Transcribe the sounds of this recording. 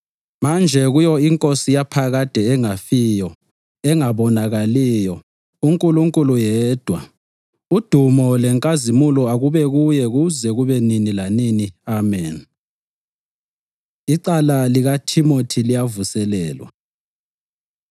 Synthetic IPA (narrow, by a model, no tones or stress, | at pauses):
mand͡ʒʱɛɣujɔiŋkʼosijapʰaɣad̥ʱɛɛŋafijɔ | ɛŋaβɔnaɣalijɔ | uŋkʼuluŋkʼulujɛːd̥ʱwa | ud̥ʱumɔlɛŋkʼazimulɔaɣuβɛɣujɛɣuzɛɣuβɛninilaniniamɛːn | iǃalaliɣatʰimotʰilijavusɛlɛːlwa̰